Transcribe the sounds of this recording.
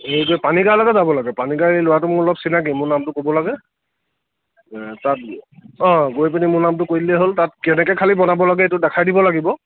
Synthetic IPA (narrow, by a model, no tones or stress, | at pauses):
ejɡojpaniɡaɹlaɡɛzabɔlaɡɛpaniɡaɹejlowatʊmʊɹɔlɔpsinak̬imʊɹnamtʊkobɔlaɡɛ | tat̚ɔ̃ɡojp̬inimʊɹnamtʊkojlɛɦoltat̚kɛnɛkɛkʰalibɔnabɔlaɡɛetʊdɛkʰajdibɔlaɡibɔ